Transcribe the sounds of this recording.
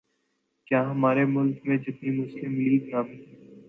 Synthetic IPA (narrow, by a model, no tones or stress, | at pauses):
kjãːɦɐmaːɾemʊlkmẽd͡ʒɪt̪nimʊslɪmliːɡnaːmi